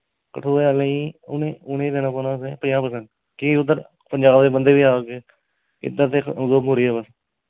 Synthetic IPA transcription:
kəʈʰuːealẽiːʊneʊnẽːd̪eːnãːpoːnãːseːpəjãːpəsəɳ | kiʊd̪əɾ | pəɲd͡ʒaːbd̪eːbənd̪eːʋiːaːkeː | ɪ̰d̪ət̪eːzoːmoːɾiːɛːbəs

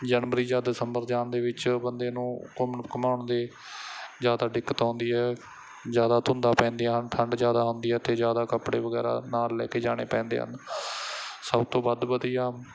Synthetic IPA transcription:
d͡ʒənʋəɾiːd͡ʒaːd̪ɪsəmbəɾd͡ʒaːnd̪eːʋɪt͡ʃbənd̪eːnũːkəmkəmaːɳd̪eː | d͡ʒjaːd̪aːɖɪkːət̪õːnd̪iːɦɛː | d͡ʒjaːd̪aːt̪ʰʊ̃nd̪aːpɛ̃ːnd̪eːɦənt̪ʰəɳɖd͡ʒjaːd̪aːɦʊnd̪iːɛːt̪ʰeːd͡ʒjaːd̪aːkəpɽḛːʋəɡɛ̰ːɾa̰ːnaːlːɛ̰ːkeːd͡ʒaːɽ̃eːpɛ̃ːnd̪ḛːɦə̰n | səbt̪õːbad̪bəd̪ijaː

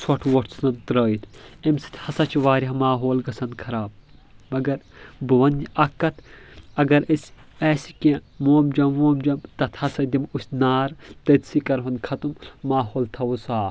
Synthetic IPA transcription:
sʰoʈʰʋoʈsnɐnt̪ɾɐːit̪ʰɐmsi̥t̪ʰhɐsɐt͡ʃʰʋaːɾʲɐmaːɦoːlɡɐsɐnd̪kʰɐɾaːb̚ | mɐɡɐɾbɨʋɐniʔɐkːɐt̪ʰɐɡɐɾisʲɛːsikʲẽmoːmd͡ʒɐmoːmd͡ʒɐmt̪ɐt̪ʰhɐsɐd̪imusʲnaːɾt̪ɐt̪sikɐɾɦɐnkʰɐt̪umːaːɦoːlt̪ʰɐusaː

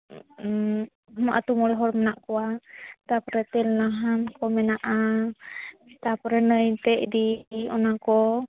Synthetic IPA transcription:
maʔat̪umɔlɦɔɾmɛnaʔkɔwat̪apɔɾɛt̪ɛlnaɦankɔmɛnaʔa | t̪apɔɾɛnəjt̪ɛʔdiɔnakɔ

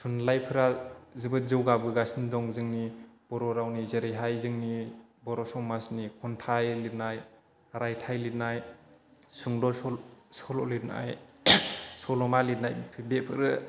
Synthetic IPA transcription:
sʰunlajpʰɯɾazɯbɯt̚zɯwɡabɯɡasindɔŋzɯŋnib̥ɔɾɔɾawnizeɾɯjɦajzɯŋni | bɔɾɔsɔmasnikʰɔntʰajlit̚naj | ɾajtʰajlitnaj | suŋdɔsɔsɔlɔ̰litna̰j | sɔlɔmalit̚najpʰibepʰɯɾɯ

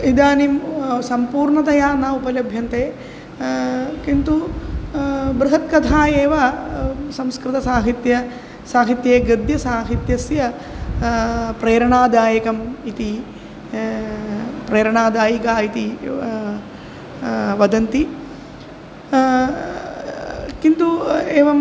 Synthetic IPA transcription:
id̪aːnimsɐmpuːɾɳɐt̪ɐjaːnaːupɐlɐbʱjɐnt̪eː | kint̪u | bɾɐɦɐt̪̚kɐt̪ʰaːjeːʋɐ | sɐmskɾɨt̪ɐsaːɦit̪jɐ | saːɦit̪jeːɡɐd̪jɐsaːɦit̪jɐsjɐ | pɾeːɾɐɳaːd̪aːjɐkɐmit̪i | pɾeːɾɐɳaːd̪aːjikaːit̪i | ʋɐd̪ɐnt̪i | kint̪ueːʋɐm

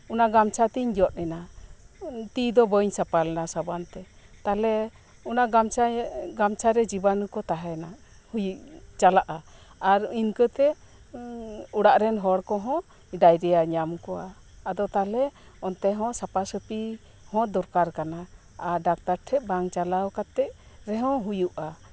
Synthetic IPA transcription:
unaɡamt͡ʃʰat̪iɲd͡ʒɔt̪̚ˀnɛna | t̪id̪ɔbəɲsapalɛnasabant̪ɛ | t̪alɛ | unaɡamt͡ʃɡamt͡ʃʰaɾɛd͡ʒibanukɔt̪aɦɛna | hujt͡ʃalaʔaː | ɾinkət̪ɛ | uɽaʔɾɛnɦɔɽkɔɦɔ̃ | ɖajɾɛjaɲamkɔaː | d̪ɔt̪alɛɔnt̪ɛɦɔ̃sapasəpi | hɔ̃d̪ɔɾkaɾkana | aɖak̚t̪aɾʈʰɛʔ̪̚baŋt͡ʃalawkat̪ːɛʔ̚ɾɛɦɔ̃ɦujuʔa

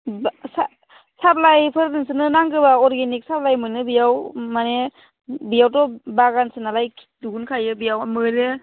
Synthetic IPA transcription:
bsa | sap̚lajpʰɯɾnɯnsɯnɯnaŋɡɯbaɔɾɡenik̚sap̚lajmɯnɯbijawmane | bijawtɔbaɡansɯnalajkʰ | duɡunkʰajɯbijawmɯɾe

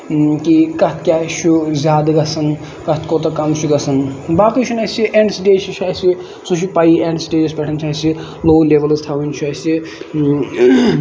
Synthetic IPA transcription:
kikɐt̪ʰkʲjaːt͡ʃʰuzʲaːd̪ɡɐsɐn | kɐt̪ʰkot̪ɐkɐmt͡ʃʰuɡɐsɐnbaːkit͡ʃʰunɐsiʔeɳɖsʈet͡ʃit͡ʃʰaːsi | suʃ̬ipaieɳɖsʈeːd͡ʒɐspʲɛʈʰɐnt͡ʃʰaːsi | loːleʋɐlzt̪ʰawint͡ʃʰasi

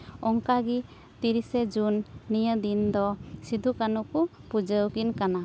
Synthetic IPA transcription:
ɔŋkaɡi | t̪iɾisɛd͡ʒunːijəd̪ind̪ɔsid̪ʱukanukupud͡ʒəwkinkana

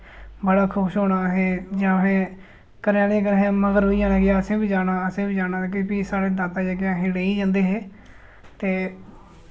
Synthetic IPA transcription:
bəɽaːkʰʊʃoːɽaːɦeːd͡ʒãːɦẽː | kəɾaːnẽːkəɾɦẽməɡəɾɦoːiːd͡ʒaːnãːɡɪjaːəsẽːbiːd͡ʒaːɽaːəsẽːbiːd͡ʒaːɽaːk̬ɪpiːsaːɽeːd̪aːt̪aːd͡ʒaɡjãːɦeːɽeːiːd͡ʒãːnd̪eːɦeː | t̪eː

